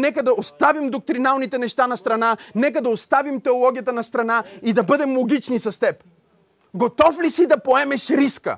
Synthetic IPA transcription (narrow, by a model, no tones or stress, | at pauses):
nɛkəd̪ɐost̪avimd̪ok̚t̪ɾinalˠnit̪ɛnɛʃt̪anɐst̪ɾɐnanɛk̬əd̪ɐost̪avimt̪ɛolˠɔɡʲijət̪ənɐst̪ɾɐnaid̪ɐbɤd̪ɛmlˠoɡʲit͡ʃnisɐst̪ɛp | ɡot̪ɔflisid̪ɐpoɛmɛʃɾiskə̰